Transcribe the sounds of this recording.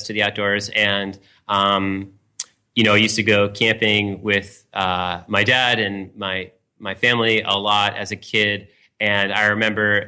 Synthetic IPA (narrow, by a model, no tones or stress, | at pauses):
stʰɨðiaʊt̚d̥ɔɹzɨ̃n | ʌ̃m | jɨñoʊajʉstɨɡoʊkʰæ̃mpɪ̃ŋwɪð̥ | ʌmaɪdæɾɨ̃nmaɪ | maɪfæ̃mliʔə̰lɔɾɨ̰zɨkʰɪɾ | ɨ̃naɪɹɨmɛ̃mbə˞